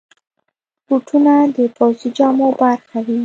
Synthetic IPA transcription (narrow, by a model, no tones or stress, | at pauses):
puʈʰunad̪əpawsid͡ʒɑmobaɾxawi